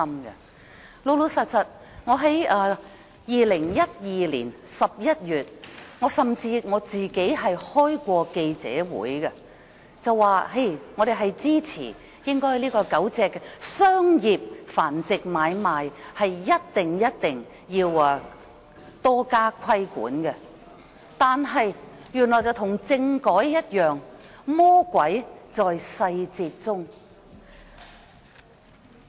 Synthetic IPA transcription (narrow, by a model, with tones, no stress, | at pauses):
mɡɐ̰˧ | lo˨˧wlo˨˧wsɐ˨˩t̚sɐ˨t̚ | ŋɔː˨˧ɦɐ˨˥jɐː˧ | jiː˨lɪ˨˩ŋjɐ˥t̚jiː˨lḭː˨˩nsɐ˨p̚jɐ˥t̚jyː˨t̚ŋɔː˨˧sɐ˨mt͡siː˧ŋɔː˨˧t͡siː˨ke˨˥jɦɐ˨jhɔː˥jkʷɔː˧ke˧jt͡sɛ̰ː˨˥wṵː˨˥jkɐ˧ | t͡sɐ˨wːaː˨˧ɦe˥˩jŋɔː˨˧ɾe˨˩ɦɐ˨jt͡siː˥t͡sʰiː˨˩ | jɪ˥ŋkɔː˥jliː˥kɔː˧kɐ˨˥wt͡sɛː˧kːsœː˥ŋjiː˨p̚faː˨˩nt͡sɪ˨k̚maː˨˧jmaː˨jhɐ˨jːɐ˥t̚t̪ɪ˨ŋjɐ˥t̚t̪ɪ˨ŋ | jiː˧wɐ˧ | t̪ɔː˥kaː˥kʷʰɐ˥jkṵː˨˥nkɛ˧ | t̪aː˨nɦɐ˨j | jyː˨˩nlɔː˨˩jt͡sɐ˨wt̪ʰʊ˨˩ŋt͡sɪ˧ŋkɔː˨˥jjɐ˥t̚jœː˨ŋmɔː˥kʷɐ˨˥jt͡sɔː˨jsɐ˧jt͡siː˧t̚t͡sʊ˥ŋ